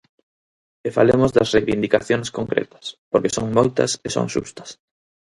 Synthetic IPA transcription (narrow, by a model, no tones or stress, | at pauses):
efa̰lemozd̪ɐsrejβind̪ikaθjoŋskoŋkɾḛt̪ɐ̥spoɾkesoŋmojt̪ɐ̰seso̰ŋʃṵst̪ɐ̥s